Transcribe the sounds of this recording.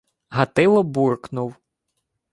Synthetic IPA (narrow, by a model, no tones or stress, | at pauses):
ɦɐt̪ɪlˠɔburknʊw